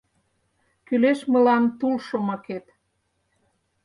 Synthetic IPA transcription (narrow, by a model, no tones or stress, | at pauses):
kyleʃmə̆lɑnt̪ulʃomɑket̪